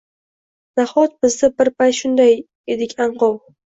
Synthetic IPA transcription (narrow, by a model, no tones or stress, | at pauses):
naχɒt̪̚bɪzd̪abɪɾpajt̪ʃʊnd̪aj | e̞d̪ɪkʲaɴqɒw